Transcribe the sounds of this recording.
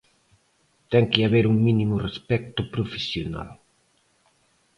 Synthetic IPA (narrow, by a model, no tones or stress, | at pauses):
t̪ɛŋkɪaβeɾuŋminimʊrespɛk̚t̪ʊpɾofesjona̰l